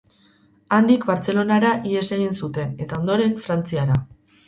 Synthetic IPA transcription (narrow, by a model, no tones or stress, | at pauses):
and̪ikbaɾt͡se̞lo̞naɾaʔie̞se̞ɣ̞insut̪e̞ne̞t̪ao̞nd̪o̞ɾe̞ɱfɾant͡siaɾa